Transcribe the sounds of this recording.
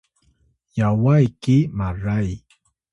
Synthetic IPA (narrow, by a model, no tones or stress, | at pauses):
jawajkɪmaɾaj